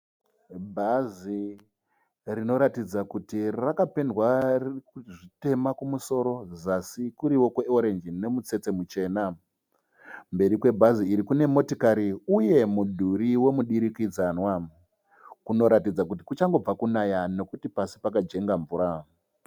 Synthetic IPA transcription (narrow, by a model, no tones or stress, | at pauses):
bʱazi | rino̞ɾatid͡zakutirakape̞ndwarʐite̞makumuso̞ɾo̞zasikuɾiwo̞kweoɾe̞nd͡ʒine̞mut͡se̞t͡se̞mut͡ʃe̞ːna | mbe̞ɾikwe̞bʱaziiɾikune̞mo̞tokaɾiuje̞mudʱuɾiwe̞muɗiɾikid͡zanwa | kuno̞ɾatid͡zak̬utikut͡ʃaŋɡo̞b͡vakunajano̞kutipasipakad͡ʒe̞ŋɡaɱvuɾa